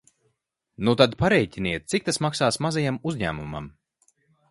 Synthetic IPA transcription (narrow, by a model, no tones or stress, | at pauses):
nut̪ad̪paɾɛjcʲiniɛt̪̚t̪sik̚t̪asmaksaːsmazajamuzʲɲæ̰ːmuma̰m